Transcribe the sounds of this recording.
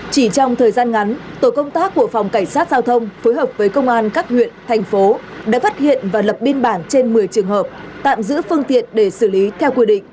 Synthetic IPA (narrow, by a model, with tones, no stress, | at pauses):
t͡ɕi˧˩t͡ɕɔ˧wŋ͡mt̪ʰəː˨˩jzaː˧nŋa˨˦nt̪o˧˩kə˧wŋ͡mt̪aː˦˥kːu˧˩əfɔ˨˩wŋ͡mka˧˩jŋ̟saː˦˥t̚zaː˧wt̪ʰə˧wŋ͡mfoː˨˦jɦəː˨˩p̚vəː˨˦jkə˧wŋ͡mʔaː˧nkaː˦˥k̚hwḭ˧˨ənt̪ʰɛ˨˩jŋ̟fo˨˦ | ɗa̰ː˧˥faː˦˥t̚hḭ˧˨ənvaː˨˩lə˨˩p̚ɓi˧ənɓaː˧˩nt͡ɕe˧nmɨ˨˩əjt͡ɕɨ˨˩əŋɦəː˨˩p̚t̪a̰ː˧˨mzɨ̰˧˥əfɨ˧əŋt̪ḭ˧˨ənɗe˧˩sɨ˧˩li˨˦t̪ʰɛ˧wkwi˧ɗḭ̈˧˨ŋ̟